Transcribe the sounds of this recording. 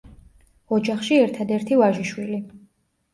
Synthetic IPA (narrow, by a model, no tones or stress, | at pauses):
ɔd͡ʒaχʃiɛɾt̪ʰad̪ɛɾt̪ʰivaʒiʃwili